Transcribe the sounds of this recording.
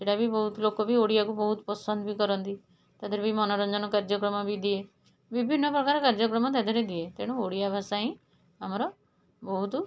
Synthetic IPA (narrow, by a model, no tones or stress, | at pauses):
seʈabʱibɔɦut̪lokɔbioɽijakubɔɦut̪pɔsɔnd̪bikɔɾɔnt̪i | t̪ad̪ʱɔɾebimɔnɔɾɔnd͡ʒɔnɔkaɾd͡ʒɔkɾɔmɔbid̪ie | bibʱinːɔpɾɔkaɾɔkaɾd͡ʒɔkɾɔmɔt̪̬ad̪ʱɔɾed̪iet̪eɽ̃uoɽijabʱasaɦĩ | amɔɾɔ | bɔɦut̪